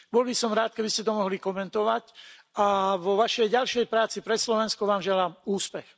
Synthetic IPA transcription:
bɔlbisɔmɾaːt̪̚kɛbiscɛt̪ɔmɔɦlikɔmɛnt̪ɔʋacʔaʋɔʋaʃɛjɟalʃɪɛjpɾaːt͡sipɾɛslɔʋɛnskɔʋaːmʒɛlaːmuːspɛx

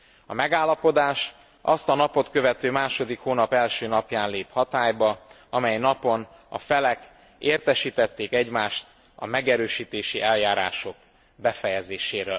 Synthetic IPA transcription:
ɒmɛɡaːlːɒpo̞d̪aːʃ | ʔɒst̪ɒnɒpo̞t̪kø̞vɛt̪øːmaːʃo̞d̪ikhoːnɒpɛlʃøːnɒpjaːnleːphɒt̪aːjbɒ | ɒmɛjnɒpo̞n | ɒ̰fɛlɛk | eːrt̪ɛʃiːt̪ɛt̪ːeːkɛɟmaːʃt̪ | ɒ̰mɛɡɛɾøːʃiːt̪eːʃiʔɛljaːɾa̰ːʃo̞k | bɛfɛjɛzeːʃeːɾøː

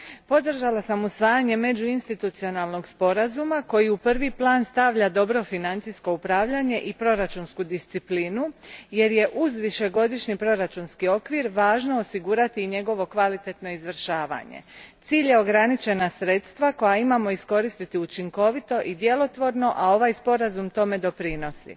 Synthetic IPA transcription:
po̞d̪r̩ʒalasamusʋaːjaɲe̞me̞d͡ʑuinst̪it̪ut̪sio̞nalˠno̞ɡspo̞ɾazumako̞jiupr̩ʋiplˠaːnst̪aʋʎad̪o̞bɾo̞finant̪sisko̞upɾaːʋʎaɲe̞ʔipɾo̞ɾat͡ʃunskud̪ist̪sipliːnuje̞ɾje̞ʔuzʋiʃe̞ɡo̞d̪iʃɲipɾo̞ɾat͡ʃunskio̞kʋiɾʋaːʒnoosiɡuːɾat̪iːɲe̞ɡo̞ʋo̞kʋalit̪e̞t̪no̞izʋr̩ʃaːʋa̰ɲḛt̪siːʎje̞o̞ɡɾanit͡ʃe̞nasɾe̞ːt̪st̪ʋako̞jaimaːmo̞isko̞ɾist̪it̪iut͡ʃiŋko̞ʋit̪o̞ʔid̪je̞lˠo̞t̪ʋo̞ɾno̞ʔao̞ʋaːjspo̞ɾazumt̪o̞me̞d̪o̞pɾino̞sḭ

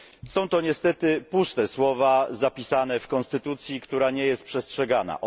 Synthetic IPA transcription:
sɔ̃w̃t̪ɔɲɛst̪ɛt̪ɘpust̪ɛswɔvazapʲisanɛfkɔnst̪ɘt̪ut̪sʲjikt̪uɾaɲɛjɛst̪̚pʂɛstʂɛɡana̰ʔ

